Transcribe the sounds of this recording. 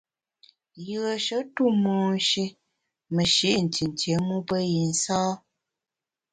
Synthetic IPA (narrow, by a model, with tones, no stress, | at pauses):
jɯ˨ə˨ʃə˦tu˦˨mɔː˨n̩˦ʃi˦ | mə˨ʃi˨˦n̩˨ti˨n˨tje˨˦mu˦pə˦ji˨n̩˦saː˦